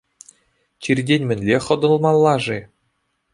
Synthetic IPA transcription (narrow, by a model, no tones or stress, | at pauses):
t͡ɕirʲdʲenʲmʲɘ̆nʲlʲeχɤ̆d̪ɤ̆lˠmɑlˠːɑʐe